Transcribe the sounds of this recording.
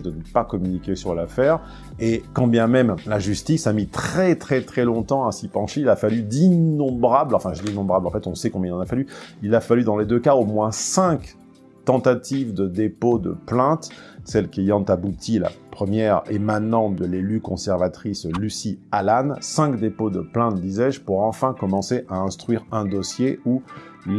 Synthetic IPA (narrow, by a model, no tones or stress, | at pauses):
d̪ənəpakɔmynikʲesyʁlafɛʁ | ekɑ̃bjɛ̃mɛmlaʒyst̪isamit̪χɛt̪χɛt̪χɛlɔ̃t̪ɑ̃asipɑ̃ʃeilafalyd̪inːɔ̃bʁablɑ̃fɛ̃ʒəd̪inɔ̃bʁablɑ̃fɛt̪ɔ̃sɛkɔ̃bjɛ̃ilɑ̃nafalyilafalyd̪ɑ̃led̪økaomwɛ̃sɛ̃k | t̪ɑ̃t̪at̪ivd̪əd̪epod̪ə̰plɛ̃t̪sɛlkejɑ̃t̪abut̪ʰila̰pχəmjɛʁemanɑ̃t̪̚d̪əlelykɔ̃sɛʁvat̪χislysialansɛ̃kd̪epod̪əplɛ̃t̪̚d̪izɛʒpuʁɑ̃fɛ̃kɔmɑ̃seʔaɛ̃st̪χɥiʁɛ̃d̪ɔsjeu | l